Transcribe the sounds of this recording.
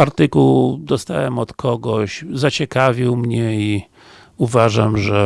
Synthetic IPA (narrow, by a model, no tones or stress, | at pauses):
aɾt̪ɘkuwd̪ɔst̪a̰wɛmɔt̪kʰɔɡɔɕzat͡ɕɛkavʲiwmɲɛi | uvaʐamʐɛ